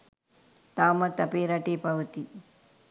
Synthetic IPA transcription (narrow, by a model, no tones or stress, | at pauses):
t̪aːmɐt̪ɐpeːɾɐʈeːpɐʋɐt̪i